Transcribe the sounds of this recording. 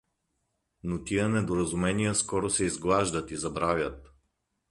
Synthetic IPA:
not̪ijənɛd̪oɾɐzumɛnijəskɔɾosɛizɡlˠaʒd̪ət̪izɐbɾavʲjət̪

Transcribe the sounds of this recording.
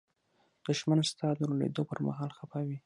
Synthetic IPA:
d̪̥ʊʃmanst̪ɑd̪əlolḛd̪opəɾma̰ɦɑlxapɑwi

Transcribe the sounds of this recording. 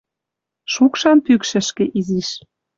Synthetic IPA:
ʃukʃɑnpykʃɘ̆ʃkĕʔiziʃ

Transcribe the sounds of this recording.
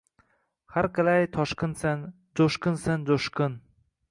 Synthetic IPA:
haɾqalajt̪ʰɒʃkɨnsan | d͡ʒoʃkɨnsand͡ʒoʃkɨn

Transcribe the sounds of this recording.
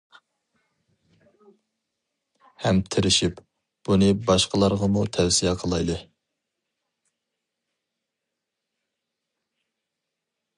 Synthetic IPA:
hɛmt̪ʰɪɾɪʃip | b̥unɨbɑʃqəlˠɑɾʁɑmut̪ʰɛwsijɛqʰəlˠɑjd̪ɨ

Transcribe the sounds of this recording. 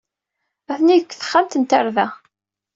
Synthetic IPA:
æθniəkːθə̥χːamt̪ənt̪əɾðæ

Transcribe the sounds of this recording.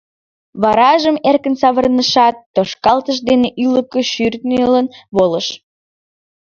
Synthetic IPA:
βɑɾɑʒəmerkənsɑβərnəʃɑt̪ːoʃkɑlt̪əʃ̬d̪eneʔyləkəʃyrt̪nelənβoləʃ

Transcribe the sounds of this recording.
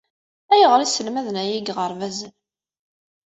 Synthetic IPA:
æjəʁɾisəlmæðənæjiɡʁəɾˤvæzən

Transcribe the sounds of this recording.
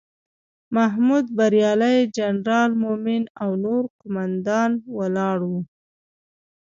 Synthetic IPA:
maɦmud̪̚baɾjɑlajd͡ʒanɾɑlmomɪnawnoɾkʊmand̪ɑnwalɑɽwu

